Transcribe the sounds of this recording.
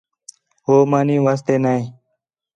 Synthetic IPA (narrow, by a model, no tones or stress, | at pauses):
ɦoːmaːnĩːʋaːst̪eːnaːĩː